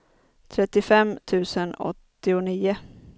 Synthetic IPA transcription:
t̪ʰɾɛt̪ːɪfɛmt̪ʰʉ̟ːsənɔ̰t̪ːɪʊniːʊ

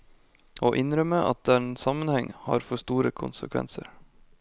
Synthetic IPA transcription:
oːʔɪnɾœməʔɑ̰t̪̚d̪æːɾensɑmənhɛŋhɑ̰ːɾfɔʂt̪uːɾəkʰʊnsə̰kʰʋɛ̰nsəɾ

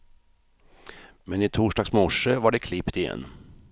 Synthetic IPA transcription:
mɛnɪt̪ʰuːʂɖɑːɡsmɔʂəvaɖɛkʰlɪpt̪ɪjɛ̰nː

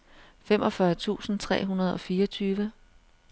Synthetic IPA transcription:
fem̰ʔɒ̽fɶɐt͡sʰṵːsn̩t͡sʰʁɛ̰ːɦunɐð̞ˠɒ̽fiːʌt͡sʰyːʋə

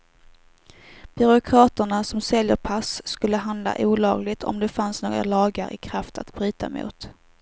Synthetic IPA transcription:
b̥ʏɾʊkʰɾɑːt̪əɳasɔmsɛljəɾpʰasːkɵlːəɦand̪la̰ʔuːlɑːɡlɪɡt̪ʰɔ̰md̪ɛfansnoːɡɾa̰lɑːɡa̰ɾʔɪ̰kʰɾaft̪ʰa̰t̪bɾyːt̪ʰa̰mṵːt̪

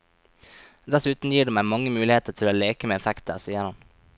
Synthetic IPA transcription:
d̪æsʉːt̪n̩jiːɖeːmæɪmɑŋəmʉːlɪheːt̪əɾtʰɪloːleːkəmeːɛfækt̪ə̰ɾsœæɾɑn

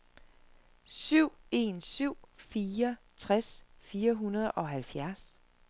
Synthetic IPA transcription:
syʊ̰e̝̰ːnsyʊ̰fiːɐt͡sʰʁasfiːɐɦunɐð̞ˠʔɒ̽ɦælfjæɐs

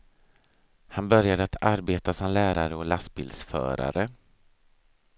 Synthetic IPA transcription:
hanbœɾjad̪əat̪ʰaɾbeːt̪asɔmlæːɾaɾəɔlasbɪ̰ld̪sfœ̰ːɾa̰ɾə

